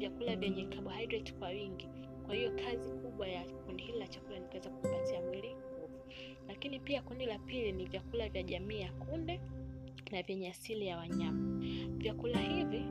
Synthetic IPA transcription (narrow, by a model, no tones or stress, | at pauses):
vjakulavjɛɲɛkʰaɓuhajdɾɛtkwawiŋɡi | kwahijɔkʰazikuɓwajakundihililat͡ʃakulanikawɛzakumpatiamwiliŋɡuvu | lakinipiakundilapilinivjakulavjaʄamiːjakundɛ | navjɛɲɛasilijawaɲamavjakulahivi